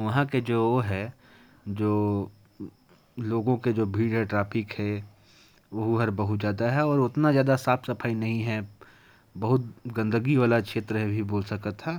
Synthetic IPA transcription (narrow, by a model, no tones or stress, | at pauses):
ʋɐɦãked͡ʒoːoɦɛ | d͡ʒoː | loːɡõked͡ʒoːbʱiːɽɦɛʈɾaːpʰɪkhɛ | ʋɐɦuɦɐɾbɐɦʊt̪d͡ʒjaːd̪aɦɛɔːɾʊt̪nazjaːd̪asaːfsɐpʰaːinɐɦĩɦɛ | bɐɦʊt̪̚ɡɐ̃nd̪əɡiʋaːlakʃeːt̪ɾəɦbʱiboːlsɐkət̪ʰːaː